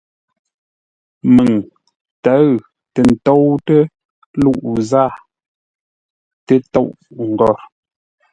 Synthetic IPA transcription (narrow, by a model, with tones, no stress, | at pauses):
mə˨ŋ | ta˨˦ɣ | tə˨n̩˨tɔ˦wtə˦ | lu˦˨ʔza˦˨ | tə˦to˦˨ʔŋ̩˨ɡɔ˦˨ɾ